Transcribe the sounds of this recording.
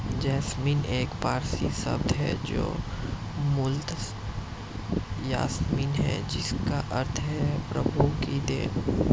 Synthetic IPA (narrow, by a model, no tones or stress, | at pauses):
d͡ʒɛːsmiːneːkpaːɾsisɐ̰bd̪ɦɛ̰d͡ʒo̰ː | mʊlt̪ | ja̰ːsmiːnɦɛ̰d͡ʒɪskaʔɐɾt̪ʰɦɛpɾəbʱukid̪ḛːn